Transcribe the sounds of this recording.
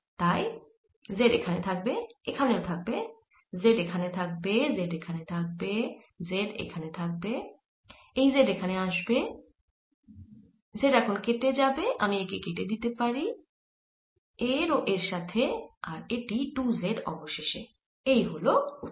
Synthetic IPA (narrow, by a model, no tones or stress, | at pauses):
t̪aj | zeɖḛkʰanet̪ʰak̚beekʰaneot̪ʰak̚be | zeɖekʰanet̪ʰak̚bezeɖekʰanet̪ʰak̚be | zeɖḛkʰanet̪ʰak̚be | ejzeɖekʰaneaʃbe | zeɖɛkʰonkeʈed͡ʑabeʔa̰miekekeʈed̪it̪epaɾi | eɾoʔeɾʃat̪ʰeaɾeʈiʈuzeɖɔboʃeʃe | ejɦolou